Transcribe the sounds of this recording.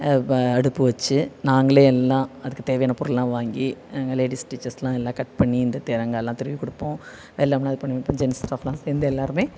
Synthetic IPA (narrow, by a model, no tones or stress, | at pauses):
ɐɽɯpːɯʋɐt͡ʃːɯnaːŋɡɐɭeːɛlːãːɐðɯkːɯt̪eːʋɐjaːnɐpʊɾɯllãːʋaːŋɡiaŋɡɐleːɽɪsʈiːt͡ʃɐslãːɛlːãːkɐʈ̚pɐɳːiɪnd̪ɐt̪eːɾɐŋɡɐɭlːãːt̪ɛɾɯʋikɔɽɯpːõː | ʋɛlːaːmlãːɐðɯpɐɳːid͡ʒɛnsʈaːflãːseːɾnd̪ɯɛlːaːɾɯmeː